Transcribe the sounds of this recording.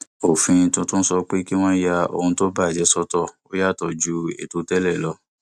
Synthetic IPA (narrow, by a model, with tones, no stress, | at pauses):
o˨fĩ˧tũ˧tõ˦n̩˦sɔ˧k͡pe˦ki˦w̃ɔ̃˦ja˧o̰˧˨hũ˧to˦ba˦˨d͡ʒɛ˨˦sɔ˧tɔ˦˨o˦ja˦˨tɔ˨d͡ʒu˨˦ḛ˦˨to˨˦tɛ˦lɛ˦˨lɔ˧˦